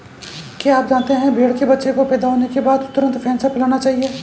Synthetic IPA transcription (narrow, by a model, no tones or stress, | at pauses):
kaaːp̚d͡ʒaːnt̪eɦɛ̃bʱeːɽkebɐtːʃekopɛːd̪aɦoːnekebaːd̪t̪ʊɾə̃nt̪fʰɛːnsapɪlaːnat͡ʃaːɦieː